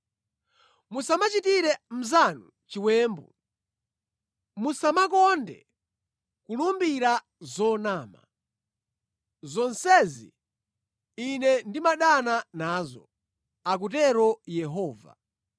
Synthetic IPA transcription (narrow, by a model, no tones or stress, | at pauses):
musamat͡ʃitiɾɛm̩zanu | t͡ʃiwɛːmbɔ | musamakɔndɛ̰ | kulumbiɾa | zɔnaːma̰ | zɔnsɛzḭ | inɛndimaɗananaːzɔ̰ | ak̬utɛɾɔjɛɦɔːva̰